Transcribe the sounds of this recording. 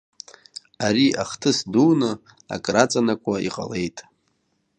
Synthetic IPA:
aɾiaχtʰɨsduːnɨ | a̰kʼrat͡sʼanakʷʰʼaiqʼa̰le̞jtʼ

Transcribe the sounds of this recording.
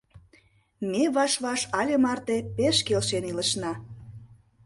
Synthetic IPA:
mʲeβɑʃβɑʃɑlʲemɑrt̪epeʃkelʃeniləʃnɑ

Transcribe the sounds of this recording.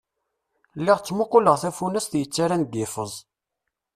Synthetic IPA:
lːɪʁt͡sːmʊqːʊləʁθæfunæsθjət͡sːaɾænɡɪfəzˤ

